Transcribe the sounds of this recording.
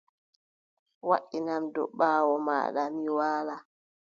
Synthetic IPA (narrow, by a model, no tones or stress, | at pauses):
waɗːinamdɔ̰ɓaːwɔma̰ːɗa̰miwaːla